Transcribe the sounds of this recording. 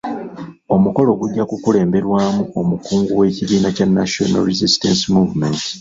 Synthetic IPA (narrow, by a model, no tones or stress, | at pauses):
o̞muko̞lo̞ɡuɟːakukule̞ːmbe̞ɾwaːmuʔo̞mukuːŋɡuwe̞ːciβiːnacanːatona̰ɾizistensimuːvumenti̥